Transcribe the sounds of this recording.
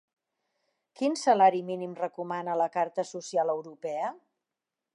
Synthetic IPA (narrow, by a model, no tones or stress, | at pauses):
kinsəlaɾiminimrəkumanələkaɾt̪əsusialəwɾupɛə